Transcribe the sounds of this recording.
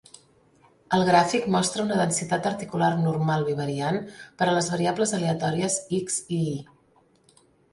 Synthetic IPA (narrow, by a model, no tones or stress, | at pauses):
əlˠɣɾafikmɔst̪ɾəunəðənsit̪at̪əɾt̪ikularnurmalˠβiβ̞əɾianpəɾələzβəɾiabləzəleət̪ɔɾiəziksii